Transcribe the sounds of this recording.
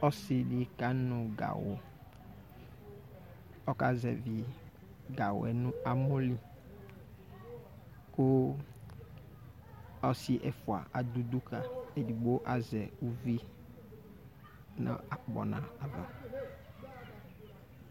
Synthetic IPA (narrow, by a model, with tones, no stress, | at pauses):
ɔ˦sɪ˨di˨ka˨˦nɔ̃˨ɡa̰˨wo˨ | ɔ˦ka˦zɛ̰˨vi˨ | ɡa˨wʊ̰˨ɛ˨nʊ̃˦a˨mʊ̃˦li˦ | kʊ˦ | ɔ˦sɪ˦ʔɛ˨fʊ˨a̰˨ʔa̰˨d̪u˦d̪u˦ka˨e˨di˨ɡ͡bo˦ʔa˨zɛ˨u˦vi˦ | nã̰˨a˨k͡pɔ̰˨nã̰˨a˨va˨